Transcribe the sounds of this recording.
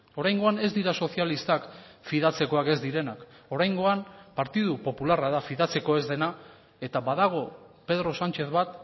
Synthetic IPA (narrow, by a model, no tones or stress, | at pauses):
o̞ɾajŋɡo̞ane̞zd̪iɾaso̞θialist̪ak | fiðat͡se̞ko̞ake̞zd̪iɾe̞nak | o̞ɾajŋɡo̞ampaɾt̪ið̞upo̞pularaðafiðat͡se̞ko̞e̞zðe̞na | e̞t̪aβaðaɣ̞o̞pe̞ð̞ɾo̞sant͡ʃe̞θβat̪